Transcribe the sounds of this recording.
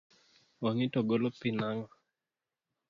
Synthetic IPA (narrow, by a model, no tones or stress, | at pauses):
waŋitoɡolopinaŋa